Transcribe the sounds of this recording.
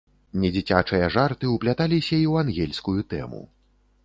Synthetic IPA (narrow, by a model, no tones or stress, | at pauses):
nʲɛd͡zʲit͡sʲat͡ʂɨjɐʐart̪ɨuplʲat̪alʲisʲɐiwanɣʲɛlʲskujut̪ɛ̰mṵ